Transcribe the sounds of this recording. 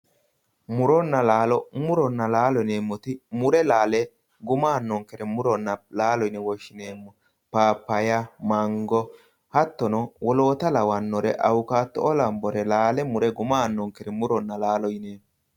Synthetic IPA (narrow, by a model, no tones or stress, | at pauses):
mʊɾɔnːɐlaːlɔmʊɾɔnːɐlaːlɔne̞ːmːɔt̪ɪmʊɾɛlaːlɛ | ɡʊmaːnːɔŋkɛɾɛmʊɾɔnːɐlaːlɔjɪnɛwɔʃːɪneːmːɔ | paːpːɐjɐmɐŋɡɔ | hɐt̪ːɔnɔwʔɔlo̞ːt̪ɐlɐwɐnːɔɾɛʔɐ̰wʊkaːt̪ːɔʔɔlɐmbɔɾɛlaːlɛmʊɾɛɡʊmaːnːɔŋkɛɾɛmʊɾɔnːɐlaːlɔjneːm